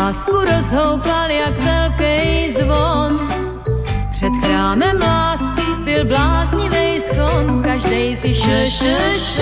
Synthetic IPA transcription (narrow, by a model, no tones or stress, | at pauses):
aːskuɾozɦowpaljakvɛlkɛjzvon | pr̥ɛt̪xɾaːmɛmlaːskɪbɪlblaːzɲɪvɛjskonkaʒdɛjt̪ɪʃɛʃɛʃ